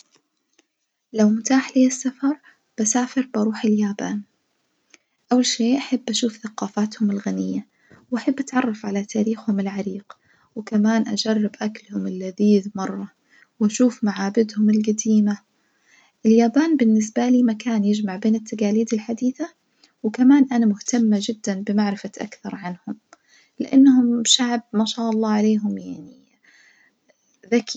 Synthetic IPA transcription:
lawmʊt̪aːħliːasːafɑɾˤ | b̥asaːfɪɾbɑɾˤuːħɪljaːba̰ːn | ʔawːalʃeːʔaħabːʔaʃuːfθaqɑːfaːt̪hʊmɪlɣanɪjːa | wʔaħabːʔat̪ʕɑrˤːɑfʕalat̪ʰaːɾiːxhʊmɪlʕaɾiːɡ̥ | wɪkamaːnʔad͡ʒɑrˤːɪbʔaklhʊmɪlːaðiːðmɑrˤːɑ | wʔaʃuːfmaʕaːbɪd̪hʊmɪlɡad̪iːma | ʔɪljaːbaːnbɪnːɪs̬baliːmakaːnjɪd͡ʒmaʕbeːnɪt̪ːaɡaːliːd̪ɪlħad̪iːθa | wkamaːnʔanamʊht̪amːad͡ʒɪd̪ːanbɪmaʕɾɪfaʔa̰kθɑɾˤʕanhʊm | lɪʔanːhʊmʃaʕb̚maːʃaːʔɑlˤːɑːʕaleːɦʊmjaʕni | ðak

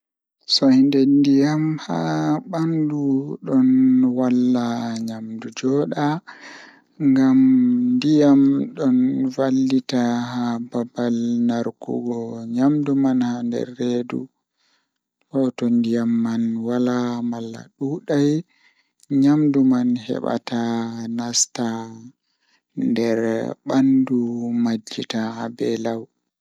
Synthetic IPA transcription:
sɔhindɛndijamhaɓanduɗɔnwalːaɲamdud͡ʒɔɗa | ŋɡamndijamɗɔnvalːitahababalnaɾkṵɡɔɲamdumanhandɛ̰ɾːedṵ | hɔtɔndijamːanwalamalːa̰ɗuːɗaj | ɲamdumanɦɛ̰ɓa̰tanasta | ndɛɾɓandumad͡ʒːitahabɛlaw

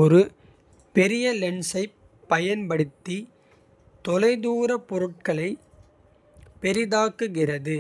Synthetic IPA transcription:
ɔɾɯ | pɛɾɪjɐlɛɳsɐɪ | pːɐjɐnpɐɽɯt̪ːi | t̪ɔlɐɪðuːɾɐpɔɾɯʈ̚kɐɭɐɪ | pɛɾɪðaːkːɯɣɪrɐðɯ

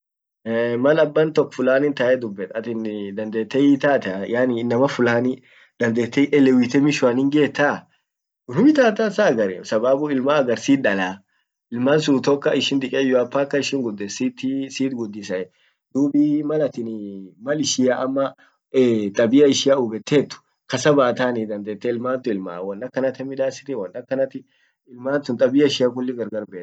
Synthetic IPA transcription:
ɛmɐlɐbːɐnt̪ɔkːfʊlaːnɪnt̪ɐʔɛd̪ʊbːɛt̪ɐt̪ɪnd̪ɐnd̪eːt̪ːɛjit̪aːt̪ɛjaːnɪɪnːɐmɐfʊlaːnɪ | d̪̥ɐnd̪eːt̪ːɛjʔɛlɛwit̪ɛmɪʃʊɐnɪŋɡe̞ːt̪ːa | ʊnʊmɪt̪aːt̪ɐsaɡɐɾɛ̰sɐbaːbʊɪlmaɐɡɐɾsiːᶑɐlaː | ʔɪlmans̬uːt̪ɔkːɐɪʃɪnd̪ɪkʼejɔɐpːaːkːɐɪʃɪŋɡʊd̪ːɛsit̪ːɪsiːt̪ɡʊd̪ːɪsɐɛ | d̪̥uːbiːmɐlɐt̪ɪnmɐlɪʃɪjaʔɐmːɐ | t̪ʼɐbɪjɐɪʃɪjaʊbɛt̪ːeːt̪ːʊ̥ | kɐsɐbaːt̪aːnid̪ɐnd̪eːt̪ːɛɪlmaːnt̪ʊɪlma̰ːwɐnːɐkːɐnɐt̪ɛmɪd̪aːsɪ̥t̪ɪwɐnːɐkːɐnɐt̪ɪ | ɪlmaːnsʊnt̪ʼɐbɪjɐɪʃɪjak̬ʊlːɪɡɐɾɡɐɾbeːt̪ː

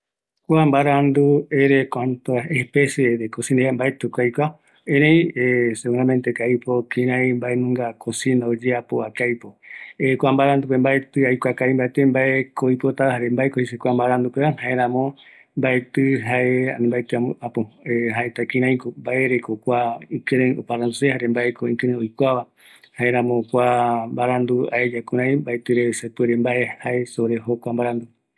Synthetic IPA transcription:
kʷambaɾand̪ueɾekʷant̪oaehpeseɾekosĩneambaet̪ukajkʷa | ẽɾẽj̃eseuɾãmẽnt̪ekaipokĩɾãjĩmbaenũŋɡakʰosĩnaod͡ʒeapoakajpoekʷambaɾand̪upembaet̪ɨajkʷakajmbaet̪embaekojpot̪ahaɾembaekohisekʷambaɾand̪ukeahaeɾãmõ | mbaet̪ɨɦaʔeanĩmbaet̪ɨaapoeɦaʔet̪akĩɾ̃ãj̃kombaʔe̞ɾe̞kokʷaĩkɨ̃ɾẽo̰paɾand̪usehaɾembaekoĩkɨ̃ɾẽojkʷaβa | haeɾãmõkʷambaɾand̪ua̰ed͡ʒakũɾ̃ãj̃mbaet̪ɨɾesepeɾembaʔehae̞soɾeɦokʷambaɾand̪u

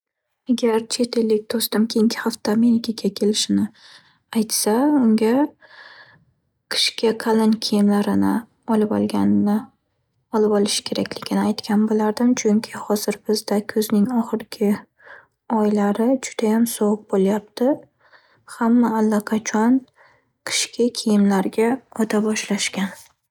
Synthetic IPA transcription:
aɡʲaɾt͡ʃʰe̞t̪ʰelːɪk̚ʲt̪ʰost̪ɪmkʲʰe̞jɪŋkʲʰɪ̥haft̪ame̞ɾɪkʲakʲʰakʲʰe̞lɪʃɪnɪ | ajt̪saʊŋɡʲa | qʰɨ̥ʃkʲaqʰalɪnkʲʰejɪmlaɾɪnɪ̰ | ɒlˠɪpɒ̰lˠɡʲanɪnɪ | ɒlɪpɒlˠɪʃɪ̥kʲʰe̞ɾakʲlɪɡʲɪnɪajt̪kʲʰanbolaɾd̪ɪmt͡ʃʰʊŋkʲʰɪhɒzɪɾbɪzd̪akʲʰɵznɪŋɒχɨɾɡʲɪ | ɒjlaɾɪd͡ʒʊd̪̥ajamsɒwʊq̚boljap̚t̪ʰɪ | hamːaːlːaqʰɑt͡ʃʰɒn | qʰɪ̥ʃkʲʰakʲʰejɪmlaɾɡʲaɒt̪ʰabɒʃlaʃkʲan

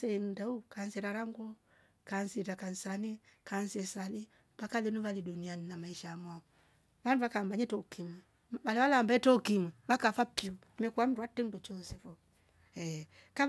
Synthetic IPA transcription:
sendaukansiɾaɾaŋɡɔ | kansitakansanikansesali | βakalinuβalidunianinamaiʃamaɔ | βanduβakambaɲetokimi | βaliβalambaɛtɔkimiβakafapi | mɛkuam̩ɾwatːendut͡ʃɔnsefɔ | ɛ | ka

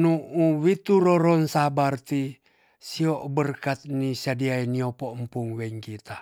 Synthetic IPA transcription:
nuuwit̪uɾoɾonsabart̪i | sioʔbərkat̪̚nisadiainiopoʔəmpuŋwɛŋkit̪a

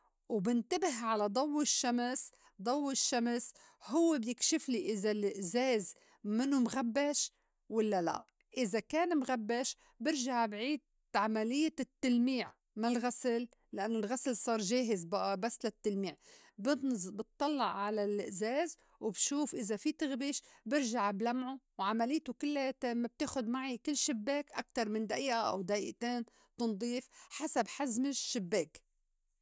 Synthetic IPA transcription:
wbɪnt̪abɪɦʕalad̪ˤɑwːɪʃːams | d̪ˤɑwːɪʃːams | hʊwːebjɪkʃɪfliʔɪzalɪʔzeːz | mɪnːumɣabːaʃ | walːala̰ʔ | ʔɪzakaːnmɣabːaʃ | bɪɾʒaʕbʕiːd̪̚ | ʕamalɪjːat̪ːɪlmiːʕ | malɣasl | lɪʔanːʊlɣaslsˤɑːɾˤʒeːɦɪzbaʔabasːlat̪ːɪlmiːʕ | bbɨt̪ˤːɑlːɑʕːalal̰ʔzeːz | wɪbʃuːfʔɪzafit̪ɪɣbiːʃbɪɾʒaʕblamʕuwʕamalɪjːt̪ʊkɪlːat̪mab̚t̪eːxʊd̪maʕikɪlːʃɪbːeːkʔak̚t̪ɑɾˤmɪnd̪aʔiːʔaʔa̰wd̪aʔiːʔt̪eːn | t̪ɨnd̪ˤiːfħasabħazmɪʃːɪbːeːk

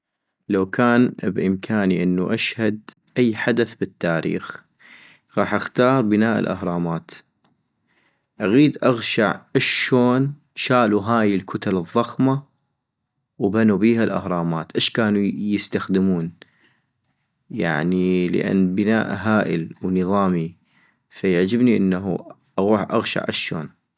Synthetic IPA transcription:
lawkʰaːnbʔɪmkʰaːniʔɪnːuʔaʃhad̪ʔajːħad̪aθbɪt̪ːaːɾḭːx | ɣɑːħʔaxt̪ɑːɾˤbɪnaːʔɪ̰lʔa̰hɾˤɑːmaːt̪ | ʔaɣiːd̪ʔaɣʃaʕʔaʃoːn | ʃaːluɦaːjɪlkʰʊt̪alɨðˤːɑxma | wbanubiːɦalʔa̰hɾˤɑːmaːt̪ʔɪʃkaːnujɪst̪axd̪ɪmuːn | ja̰ʕnilə̰ʔa̰nːbəna̰ːʔɦaːʔɪ̰lwnɨðˤɑːmi | fajaʕd͡ʒɪbniʔɪnːaɦṵ | ʔaɣuːħʔa̰ɣʃa̰ʕʔaʃo̰ːn

